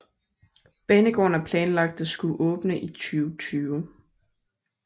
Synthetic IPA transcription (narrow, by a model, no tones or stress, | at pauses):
b̥enəɡ̥ɔ̰ːnæpʰlɛːnlɑ̈ɡ̥̚d̥ɒsɡ̥uʔɔ̽ːb̥nəʔit͡sʰyːʊt͡sʰyːʊ